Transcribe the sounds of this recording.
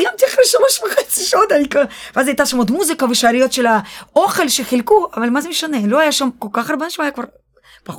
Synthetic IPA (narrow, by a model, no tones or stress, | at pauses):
jamt̪iaχɾeʃaloʃveχat͡siʃot̪aikaveazajt̪aʃamod̪muzikaveʃaːɾijo̞t̪ʃelaoχe̞lʃeχilkuavalmazemeʃt̪anelo̞ajaʃamko̞lkaχaɾbanʃamajakvaɾ | pa